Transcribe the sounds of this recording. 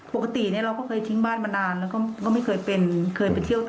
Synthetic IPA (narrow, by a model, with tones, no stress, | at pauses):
po˨˩ka˧t̪i˨˩ni˥˩ɐɾa˧wkɔː˥˩ɤː˧jt̪ʰi˦˥ŋbaː˥˩nma˧naː˧nlɛ˦˥wkɔː˥˩kɔː˥˩ma˥˩jkʰɤː˧jpe˧nkʰɤː˧jpe˧nt͡ɕʰi˥˩əwt̪